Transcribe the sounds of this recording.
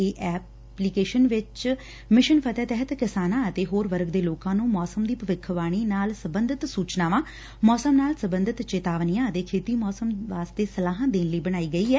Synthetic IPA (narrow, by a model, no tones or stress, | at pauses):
eːʔɛː | plikeːʃənʋɪt͡ʃ | mɪʃənpʰət̪ɛːt̪ɛɦət̪kɪsaːnãːət̪eːɦoːɾʋəɾɡd̪eːloːkãːnũːmɔːsəmd̪iːpəʋɪkʰːʋaːɽ̃iːnaːlsəbənd̪ʱɪt̪suːt͡ʃnaːʋãː | mɔːsəmnaːlsəbə̃nd̪ɪt̪t͡ʃeːt̪aːʋnijãːət̪eːkʰeːt̪iːmɔːsəmʋaːst̪eːsəlaːɦãːd̪eːnləiːbəɽ̃aːiːɡəiːɛː